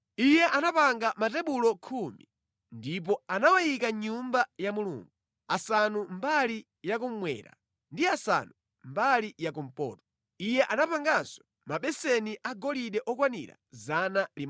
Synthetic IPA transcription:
ijɛʔanapaŋɡamatɛɓulɔkʰumi | ndip̬ɔanawajikaɲumbajamulṵːŋɡu | asanumbali | jak̬um̩mwɛ̰ɾa̰ | ndiasa̰nu | mbalijak̬um̩pɔ̰ːtɔ̥ | ijɛʔanapaŋɡansɔ̥ | maɓɛsɛniʔaɡɔliɗɛʔɔk̬wanḭɾa̰zanalim

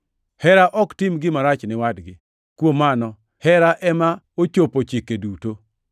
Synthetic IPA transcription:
hɛɾaʔɔktɪmɡɪmaɾat͡ʃnɪwadɡɪ | kwomanɔ | hɛɾaʔɛma | ot͡ʃopot͡ʃikeduto

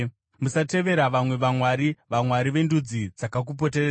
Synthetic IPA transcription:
musate̞ʋe̞ɾaʋamwe̞ʋamwaɾiʋamwaɾiʋe̞ndud͡zid͡zakak̬up̬o̞tereːa

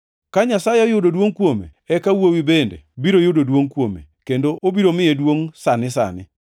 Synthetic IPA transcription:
kaɲasajɛojʊdodwoŋkwomḛɛkawowibendḛbiɾojʊdodwoŋkwomḛkendoʔobiɾomɪjedwoŋsanɪsa̰nɪ

